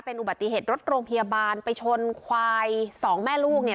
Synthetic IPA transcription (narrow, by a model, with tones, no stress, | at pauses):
pe˧nʔu˨˩ba˨˩t̪ːi˨˩ɦeː˨˩t̪̚ɾo˦˥t̪̚ɾoː˧ŋpʰa˧ja˧baː˧npa˧jt͡ɕʰo˧nkʰwaː˧jsɔː˩˦ŋmɛː˥˩luː˥˩k̚ni˥˩